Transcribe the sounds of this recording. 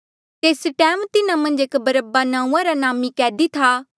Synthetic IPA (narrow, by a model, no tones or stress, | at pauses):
t̪eːsʈɛːmt̪ɪnãmɐ̃nd͡ʒeːkbɐɾəbanãːũãɾanaːmikɛːd̪it̪ʰaː